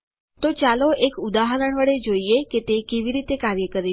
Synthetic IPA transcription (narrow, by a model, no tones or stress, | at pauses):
t̪ot͡ɕaloʔekud̪aɦəɾəɳ̃ʋəɽed͡ʑojjekit̪ekeʋiːɾiːt̪ekaɾjəkəɾi